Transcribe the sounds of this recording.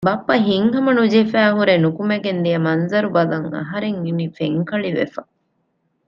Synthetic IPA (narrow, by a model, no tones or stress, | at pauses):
bɐpːɐɦiŋɦɐmɐnud͡ʒefæːɦuɾenukumeɡend̪ijɐmɐnzɐɾubɐlɐŋɐ̰ɦɐɾeŋinifeŋkɐɭiʋḛfɐ